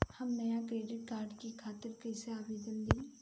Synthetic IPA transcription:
həmnɐjakɾeːɖɪʈkaːɾɖkikʰaːt̪əɾkəɪseaːʋeːd̪ənd̪iː

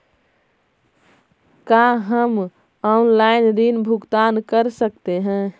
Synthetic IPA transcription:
kaɦəm | ɔnlainɾinbʱuɡt̪ankəɾsəkt̪eɦɛ̃

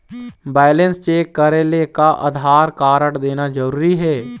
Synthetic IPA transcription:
bɛːlə̃nst͡ʃeːkːəɾelekaʔɐ̰d̪ʱaːɾkaːɾəʈd̪eːnad͡ʒəɾuːɾiɦɛː

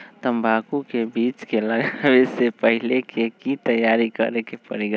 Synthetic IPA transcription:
t̪əmbʱaːkukebiːt͡ʃkeləɡaʋesepəɦɪlekʰekit̪əjaːɾikə̰ɾekepə̰ɾiɡə

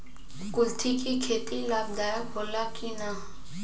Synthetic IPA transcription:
kʊlt̪ʰikikʰeːt̪ilaːbd̪aːjabʱoːlaːkinaː

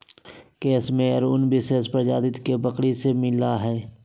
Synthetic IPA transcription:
keːsmẽəɾʊnbɪsespɾd͡ʒa̰ːd̪ɪt̪kebəkɽisemɪlaɦɛː

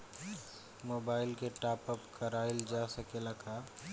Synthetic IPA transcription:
moːbaːɪlkeʈaːpəpkɐɾaːɪld͡ʒaːsɐkelakʰa

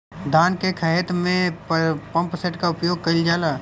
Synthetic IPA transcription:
d̪aːnkekʰəɦɛt̪mẽpɐ̃mpseʈkaʊpjoːɡ̚kɐɪld͡ʒaːlaː

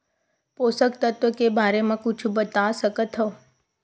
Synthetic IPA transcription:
posək̚t̪ət̪ʋəkebʱaɾemãkut͡ʃʰũbət̪asəkət̪ʰɦo

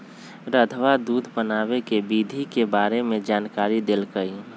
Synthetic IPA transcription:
ɾəd̪ʱʋad̪uːd̪ʱpənaːwekebid̪ʱikebaːɾemẽd͡ʒaːnkaːɾid̪elkəi

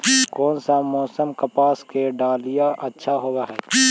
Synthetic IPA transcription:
kɔːnsamɔːsəmkɐpaːskeɖaːlijaʔɐtːʃʰaɦowaɦɛː

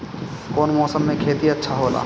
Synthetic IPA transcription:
koːnmɔːsəmːẽkʰeːt̪iɐtːʃʰaɦoːla̰ː

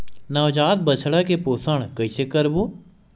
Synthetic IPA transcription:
nɐʋd͡ʒaːt̪̚bət͡ʃʰɽakepoːsəɽ̃kəisekəɾboː

